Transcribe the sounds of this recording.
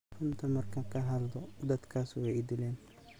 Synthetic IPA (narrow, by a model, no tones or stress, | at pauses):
hʊnt̪ʰɐmɐrkʰɐkʰɐɦɐld̪ɔd̪ɐd̪kʰaːswɛjd̪ɪlɛːn